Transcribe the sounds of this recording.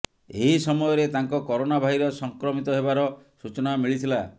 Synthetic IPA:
eɦisɔmɔjɔɾet̪aŋkɔkɔɾonabʱaɦiɾɔsɔŋkɾɔmit̪ɔɦeβaɾɔsut͡ʃɔnamiɭit̪ʰila

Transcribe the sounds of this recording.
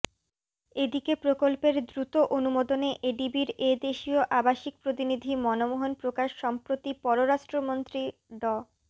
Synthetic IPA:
ed̪ikepɾokolpeɾd̪ɾut̪oʔonumod̪oneʔeɖibiɾed̪eʃioʔabaʃik̚pɾot̪inid̪ʱimɔnomoɦonpɾokaʃːɔmpɾot̪ipɔɾoɾaʃʈɾomont̪ɾiɖɔ

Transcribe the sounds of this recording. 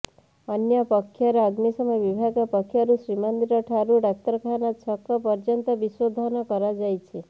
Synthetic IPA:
ənjəpəkʰːjaɾɔːɡnisɔməjʋibʱaɡɔpəkʰːjaɾusɾimand̪iɾɔʈʰaɾuɖak̚t̪əɾkʰanat͡ʃʰɔkːɔpɔɾd͡ʒənt̪ɔbiswɔd̪ʱɔnɔkɔɾad͡ʒajt͡ʃʰe

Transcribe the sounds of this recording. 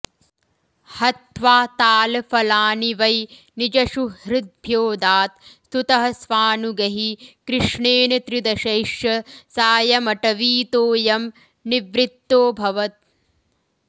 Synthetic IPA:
hɐt̪ʋaːt̪aːlfɐlaːniʋɐj | nid͡ʒɐʃuhɾɪd̪̚bʱjoːd̪aːt̪st̪ut̪ɐɦɐsʋaːnuɡɐɦikɾɪʂɳeːnit̪ɾid̪ɐʃɐjʃjɐsaːjɐmɐʈɐʋiːt̪oːjɐm | niʋɾit̪ːoːbʱɐʋɐt̪̚

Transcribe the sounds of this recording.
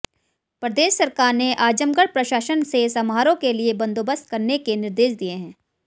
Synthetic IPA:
pɾəd̪eːʃsɐɾkaːɾneʔaːd͡ʒəmɡəɽpɾɐʃaːʃənsesɐmɦaːɾõkeliebɐ̃nd̪oːbəst̪̚kɐɾnekenɪɾd̪eːʃd̪ijeɦɛ̃ː

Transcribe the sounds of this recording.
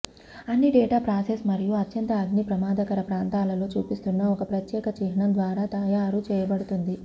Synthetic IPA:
ɐnːiɖɛːʈaːpɾaːsesmɐɾijuɐt̪jɐnt̪ɐːɡnipɾɐmaːd̪ɐkɐɾɐpɾaːnt̪aːlɐlo̞ːt͡ʃuːpist̪unːɐɔkɐpɾɐt̪jɛːkɐt͡ʃiɦɐɳɐnd̪ʋaːɾaːt̪ɐjaːɾut͡ʃɛːjɐbɐɽut̪und̪i

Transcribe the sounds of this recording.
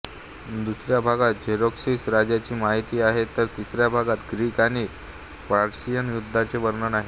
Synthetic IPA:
d̪usɾjabʱaɡat̪̚d͡ʑʱeɾoksisɾad͡ʑjat͡ɕiːmaɦit̪iːaɦet̪əɾt̪isɾjabʱaɡat̪ɡɾiːkañiː | pɾaɾɕijənjud̪ʱːat͡seʋəɾɳənaɦi

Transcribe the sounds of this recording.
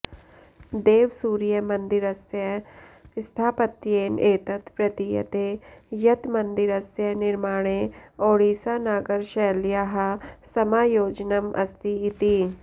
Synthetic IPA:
d̪eːʋsuːɾjɐmɐ̃nd̪ɪɾɐsjɐɪst̪ʰaːpət̪jeːneːt̪ət̪pɾɐt̪ijɐ̰t̪eːjɐt̪mɐnd̪ɪɾɐsjɐnɪɾmaːɽ̃eoːɽiːsaːnaːɡəɾʃɛːljaːɦasɐmaːjoːd͡ʒnɐmɐ̰st̪iɪt̪i

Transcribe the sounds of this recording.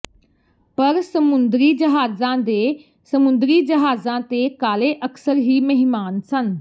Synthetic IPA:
pɐɾsəmʊnd̪ɾiːd͡ʒəɦaːzãːd̪eː | səmʊ̃nd̪ɾiːd͡ʒəɦaːzãːt̪eːkaːleʔəksəɾɦiːməɦɪmaːnsən

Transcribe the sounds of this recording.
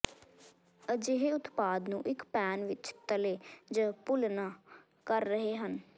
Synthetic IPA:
əd͡ʒɪɦeʊt̪paːd̪nṵ̃ːʔɪkpɛːnʋɪt͡ʃt̪əleːd͡ʒəpʊlnaː | kəɾːəɦeːɦən

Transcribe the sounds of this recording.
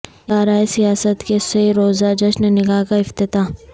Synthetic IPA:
aːɾaːesijaːsət̪keseɾoːzad͡ʒɐʃnenɪɡaːkaɪft̪ɪt̪aː

